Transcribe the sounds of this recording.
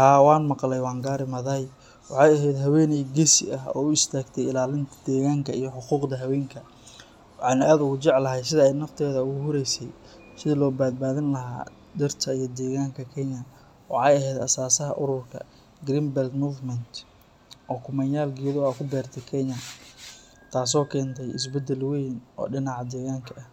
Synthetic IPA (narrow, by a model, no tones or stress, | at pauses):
haːwɑːnmɑqlɛjwɑːŋɡaːɾɪmɐðɐj | wɑħɑːjɐɦɛjd̪ɦɐwɛːniɡɛsɪ̰ʔɐɦɔ̰ːʊɪst̪ʰaːɡt̪ʰɛjɪlaːlɪnt̪ʰɐd̪̥ɛːɣaːŋkʰɐijɞħʊquːqd̪ɐɦɐwɛːŋkʰɐ | wwɑħɑːnaːd̪ʊɣʊt͡ʃɛʕlɐɦɛjsɪðɐɛjnɐft̪ʰɛːðɐʊɣʊɦʊɾɛjsɛj | sɪðɐlɔːbaːd̪̚baːðɪnlɐɦa̰ː | d̪ɪrt̪ʰɐijɔd̪ɛːɣaːŋkʰɐkʰɛɲɐ | wɑʕɑːjɐɦɛːd̪ɐsaːsɐɦɐ̰ʔʊɾʊrkʰɐ̰ | ɡɾimbɛld̪muːvmɛnt̪ | ʔɔːkʰʊmɐnjaːlɡɪjɐðʊaːkʰʊbɛːrt̪ʰɛkʰɛɲɐ | t̪ʰaːs̬ɔːkʰɛːnt̪ʰɛjʔɪ̰s̬bɛd̪ɛlwɛjnʔɔ̰ːɖɪnɑʕɑd̪ɛːɣaːŋkʰɐʔɐh